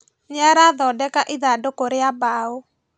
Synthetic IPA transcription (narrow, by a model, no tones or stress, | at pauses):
ɲaɾaðɔdɛkaʔiðadokoɾeabao